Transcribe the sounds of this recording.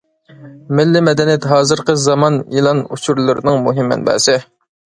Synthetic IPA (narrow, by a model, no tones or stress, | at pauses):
mɪlːɪmɛd̪ɛnijɛt̪ɦɑːzɨɾqəzɑmɑnḭlˠɑnṵt͡ʃʰuɾlˠɨɾnɨŋmuɦɪmːɛ̰nbɛ̰ːsɪ